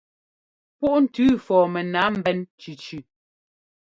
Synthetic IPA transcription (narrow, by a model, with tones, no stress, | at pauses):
pu˦ʔn̩˨tʉː˦fɔː˨mɛ˨na˨˦m̩˨bɛ˦nt͡ʃʉ˨t͡ʃʉ˨